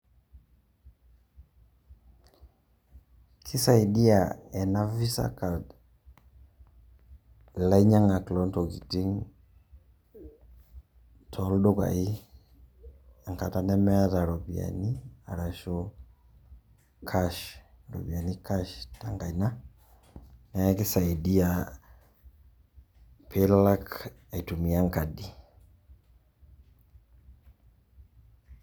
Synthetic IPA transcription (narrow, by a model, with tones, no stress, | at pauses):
kʰi˦sa˨i˨di˦a˨ɛ˨na˦vi˦sa̰˦ka˨d | la˦i˦ɲa˦ŋa˨klɔ˦ntɔ˨ɡi˨ti˦ŋ | tʰɔ˨ldɔ˦ka̰˨i˦ | a˨ŋka˨ta˨nɛ˦mɛ˦a˦ɾa˨ɾɔ˨bi˨a̰˨ni˦a̰˨ɾa˨ʃɔ | kʰaʃ | ɾɔ̰˨bi˨a˨nika˦ʃtaŋka˨i˨na | nɛ˦ki˦sa˨i˨di˦a | pʰela˦k | ai˨tu˨mi˨a˦ŋkadi˨